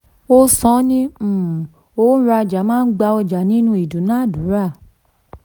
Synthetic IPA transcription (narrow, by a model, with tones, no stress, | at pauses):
o˦sɔ̃˨˦nĩ˦˨ | o˦ɾa˧˨d͡ʒa˨˦mãː˦˧n̩˦ɡ͡ba˧ɔ˧d͡ʒa˨nĩ˦nũ˧˦i˨du˨˦nã˦˨du˨˦ɾa˦˨